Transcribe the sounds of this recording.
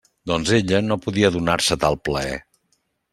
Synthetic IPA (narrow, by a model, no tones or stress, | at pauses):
d̪ɔnzeʎənopuðiəðunaɾsət̪alˠpləɛ̰